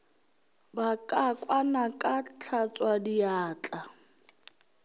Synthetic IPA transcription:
bakʼakʼwanakʼat͡ɬʰat͡sʼwadiaːt͡ɬʼa

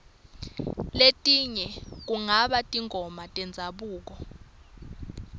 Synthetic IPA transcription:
letʼiɲɛk̬uŋaɓatʼiŋʱɔmatʼɛnd͡zʱaɓuːk̬ɔ

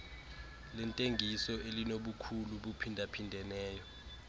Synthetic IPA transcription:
lɛntʼeŋɡʱisɔʔelinoɓukʰuluɓupʰindʱapʰindʱɛnɛːjɔ

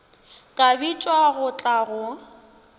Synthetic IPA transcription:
kʼabit͡ʃʼwaɣʊt͡ɬʼaɣʊ

